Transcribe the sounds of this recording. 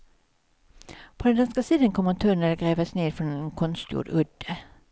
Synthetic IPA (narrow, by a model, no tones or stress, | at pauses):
pʰoːd̪ɛnd̪ɑnskəsiːd̪ənkʰɔmːəʁt̪ʰœnɛləɡʁeːʋəsneːd̪fɔnɛnkʰɔnst̪jṵːdʉd̪̥ə